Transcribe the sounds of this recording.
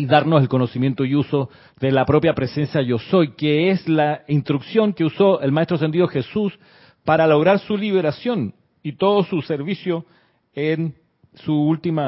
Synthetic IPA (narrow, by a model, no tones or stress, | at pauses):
iðaɾnoselko̞nosimje̞nt̪oiuso̞ | ðelapɾo̞pjapɾese̞nsjaʝosojkeeslaint̪ɾuksjo̞ŋkeusoʔelmaest̪ɾos̬e̞nd̪iðoxesus | paɾalo̞ɣɾaɾsuliβ̞eɾasjo̞n | it̪oðosuseɾβisjo | en | suult̪ima